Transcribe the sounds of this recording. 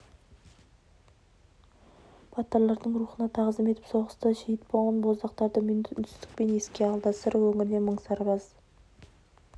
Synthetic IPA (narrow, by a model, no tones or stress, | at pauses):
bʰɑt̪ɑɾlˠɑɾd̪əɴɾuχənɑt̪ʰɑʁzd̪əme̞t̪ɪ̥pso̞ʁəst̪əʃejɪt̪polˠənbozd̪ɑq̚t̪ɑɾd̪əmnʰst̪ɪ̥k̚pe̞ne̞skʲe̞ɑlˠd̪ɑsəɾwɵŋɪɾle̞məɴsɑɾʁɑz